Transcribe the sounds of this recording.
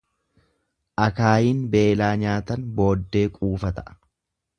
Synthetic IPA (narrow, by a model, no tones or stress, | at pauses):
ʔɐkaːjiːnbeːlaːɲaːt̪ɐnbo̞ːd̪ːe̞ːkʼuːfɐt̪ɐʔɐ̥